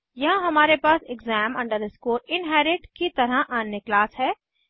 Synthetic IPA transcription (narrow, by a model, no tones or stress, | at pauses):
jɐɦãɦɐmaːɾepaːsɪɡzɛːmɐ̃ɳɖəɾd̪əskoːɾɪnɦɛːɾɪʈkit̪ɐɾəɦʔaːnːeklaːsɦɛː